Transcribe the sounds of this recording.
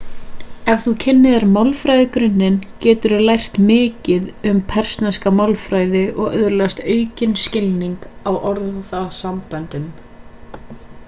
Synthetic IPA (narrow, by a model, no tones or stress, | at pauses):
ɛvθucʰɪnːɪðaɾmawlfɾajðɪkɾʏnːɪncɛːt̪ʏɾʏlajr̥t̪mɪːcɪðʏmpʰɛr̥snaskamawlfɾaːjðɪʔɔɣœðʏɾlɛɣast̪œːɥcɪnscɪlniŋkawʔɔɾððasampant̪ʏm